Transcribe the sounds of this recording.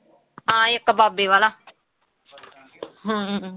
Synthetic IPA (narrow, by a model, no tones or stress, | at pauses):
ɦãːɪkːbaːbeːʋaːlaː | ɦãː